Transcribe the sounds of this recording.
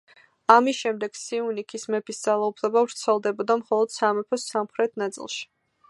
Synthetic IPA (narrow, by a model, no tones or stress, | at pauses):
amisʃɛmd̪ɛɡ̥siunikʰismɛpʰisd̪zalˠaupʰlɛbavɾt̪sʰɛlˠd̪ɛbɔd̪amχɔlˠɔd̪̥samɛpʰɔsamχɾɛt̪ʰnat̪sʼḭlˠʃi̥